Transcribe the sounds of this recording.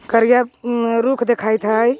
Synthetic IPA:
kəɾijaɾukʰd̪ekʰajt̪ɦəj

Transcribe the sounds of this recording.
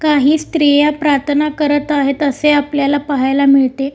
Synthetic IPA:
kaɦiːst̪ɾijapɾat̪ʰənakəɾət̪aɦet̪əseapljalapaɦajlamiɭt̪e

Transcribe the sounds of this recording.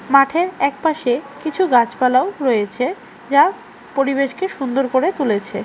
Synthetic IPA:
maʈʰeɾɛk̚paʃekit͡ɕʰuɡat͡ɕpalaoɾɔjet͡ɕʰe | d͡ʑa | poɾibeʃkeʃund̪oɾkoɾet̪ulet͡ɕʰe

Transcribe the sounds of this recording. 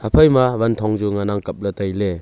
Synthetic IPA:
apʰajmaβant̪ʰɔŋd͡ʒuŋanaŋkap̚latajle

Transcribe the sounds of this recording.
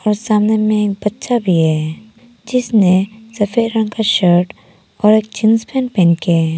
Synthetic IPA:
ɔːɾsaːmnemẽeːk̚bətːʃabʱiɦɛː | d͡ʒɪsnesɐfʰeːɾɾə̃ŋkaʃəɾʈ | ɔːɾeːk̚t͡ʃɪnspʰɛ̃npẽnkeɛ

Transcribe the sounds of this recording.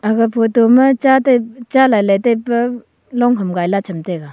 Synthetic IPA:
aɡapʰotomɐt͡ʃatajt͡ʃalajlajtajpɐ | lɔŋɦɯmɡajlat͡ʃʰəmteɡa

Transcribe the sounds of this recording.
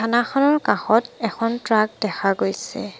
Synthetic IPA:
anaxɔnɔɹkaxɔtɛkʰɔntɹaɡ̚dɛxʰaɡojsɛ̰

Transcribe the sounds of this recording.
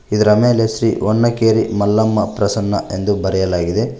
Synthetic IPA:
id̪ɐɾɐmeːlesɾḭːonːɐkeːɾḭmɐlːɐmːɐpɾɐsɐnːɐ̰ʔe̞nd̪ubɐɾɛjɐlaːɡid̪e

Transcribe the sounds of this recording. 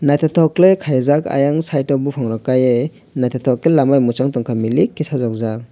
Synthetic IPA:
najtʰatʰɔklekʰajzaka̰jaŋsajtɔbupʰaŋɾɔkaje | najt̪ʰatʰɔklelamajmut͡ʃaŋtɔŋkʰamilikʰːisazak̚zak̚

